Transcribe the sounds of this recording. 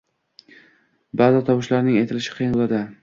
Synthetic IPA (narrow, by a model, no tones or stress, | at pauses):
baːzɪt̪ʰɒwɪʃlaɾnɪŋet̪ʰɪlɪʃɪ̥qʰɨjɪnʊlˠad̪ɪ